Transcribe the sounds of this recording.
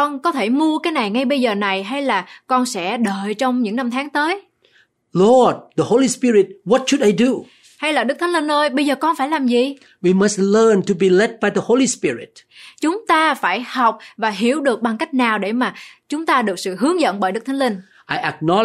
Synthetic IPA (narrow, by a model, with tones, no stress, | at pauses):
kɔ˧nkɔ˨˦t̪ʰe˧˩mu˧əkaː˨˦jna˨˩jŋa˧jɓə˧jzəː˨˩na˨˩jɦa˧jlaː˨˩kɔ˧nsɛ̰˧˥ɗəː˨˩jt͡ɕɔ˧wŋ͡mɲɨ̰˧˥ŋna˧mt̪ʰaː˨˦ŋt̪əː˨˦j | lɔd̚ðəho˧lispiɹi˨t̚wɔt̚ʃu˨da˨jdu | ha˧jlaː˨˩ɗɨ˦˥k̚t̪ʰŋlï˧nʔəː˧jɓə˧jzəː˨˩kɔ˧nfaː˧˩jlaː˨˩mzi˨˩ | wi˨mə˨stlə˧ntu˨bi˨lɛ˦t̚ba˨jðəho˧lispi˦ɹɪ̰˨t̚t͡ɕʊ˨˦ŋ͡mt̪aː˧faː˧˩jha˨˩wk͡p̚vaː˨˩ɦi˧˩əwɗɨ˨˩ək̚ɓa˨˩ŋka˦˥jk̚naː˨˩wɗe˧˩maː˨˩t͡ɕʊ˨˦ŋ͡mt̪aː˧ɗɨ˨˩ək̚sɨ̰˧˨ɦɨ˨˦əŋzə̰˧˨nɓəː˧˩jɗɨ˦˥k̚t̪ʰŋlï˧nŋ | ʔa˨jʔə˨k̚nɔ